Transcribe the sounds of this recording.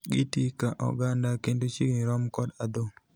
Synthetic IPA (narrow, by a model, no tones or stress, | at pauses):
ɡitikaʔɔ̰ɡandakendot͡ʃiɡɾɔmkɔdad̪o